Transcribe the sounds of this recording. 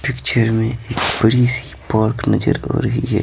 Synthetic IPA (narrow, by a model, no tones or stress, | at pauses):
pɪkt͡ʃəɾmẽeːkb̥əɽisipaːɾknɐd͡ʒə̰ɾɔ̰ːɾəɦḭɦɛ̰ː